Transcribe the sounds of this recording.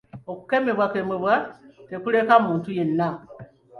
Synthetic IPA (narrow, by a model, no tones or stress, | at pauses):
oku̥kemeβwakemeβwatekulekamuːntujenːa